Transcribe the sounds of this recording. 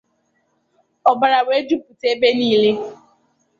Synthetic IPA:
ɔ˨ba˨ɾa˨we˦d͡ʒu˦pu˨te˦be˦niː˦le˦

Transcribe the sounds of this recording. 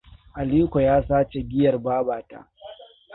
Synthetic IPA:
ʔa˨liː˦kʷo˨jaː˦saː˦t͡ʃe˨ɡʲɪ˦jɐ˨rbaː˦baː˨ta̰˦

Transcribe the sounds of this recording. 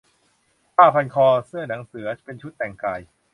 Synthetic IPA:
paː˥˩pʰa˧nkʰɔː˧sɯ˥˩əna˩˦ŋsɯ˩˦ɐpe˧nt͡ɕʰu˦˥t̪ːɛ˨˩ŋkaː˧j

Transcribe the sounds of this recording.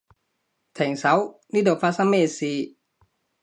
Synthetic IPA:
t̪ʰɛ˨˩˦ŋsa˨˦wniː˦˥˩doː˨˩faː˦˥sa˧˥meː˧˨siː˧

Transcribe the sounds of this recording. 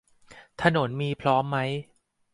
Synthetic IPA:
t̪ʰa˧no˩˦nmiː˧pʰɾɔː˦˥mːa˦˥j

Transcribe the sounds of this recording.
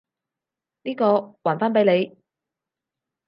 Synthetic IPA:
niː˥kɔː˧waː˨˩nfaː˥np̬e˨˥jle˨˧j

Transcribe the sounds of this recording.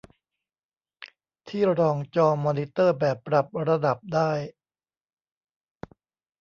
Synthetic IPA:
t̪ʰiː˥˩ɾɔː˧ŋt͡ɕɔː˧mɔː˧ni˦˥t̪ɤː˥˩bɛː˨˩pːɾa˨˩p̚ɾa˧da˨˩p̚daː˥˩j

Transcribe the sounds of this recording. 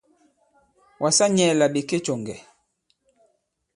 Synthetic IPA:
wʔa˨sa˦ɲɛ˨la˨ɓe˨ke˦t͡ʃɔ˨ŋɡɛ̰˨

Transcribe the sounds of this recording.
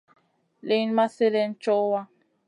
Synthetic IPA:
le˦n˦ma˦se˦le˦n̩˦t͡ʃɔ˦wa˦

